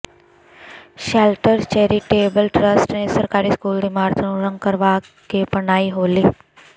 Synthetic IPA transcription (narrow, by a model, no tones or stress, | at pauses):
ɕɛlʈəɾt͡ɕeɾiːʈebəlʈɾəsʈaɳesəɾkaɾiːskuːld̪imaɾt̪ʰənuɾəŋɡ̚kəɾʋakepəɳaiːɦoli